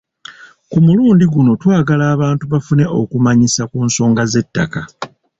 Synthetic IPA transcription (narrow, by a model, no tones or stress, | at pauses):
kumuluːndiɡuno̞twaːɡalaːβaːntuβafune̞ʔo̞̰kumaɲisakuːnso̞ːŋɡaze̞tːa̰ka